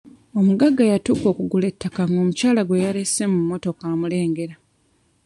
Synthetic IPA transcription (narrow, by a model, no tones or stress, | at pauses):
o̞muɡaɡːajatuːko̞ːkuɡule̞tʰːakaŋo̞ːmucaːlaɡwe̞jaɾe̞se̞mumːo̞to̞kamule̞ːŋɡe̞ɾa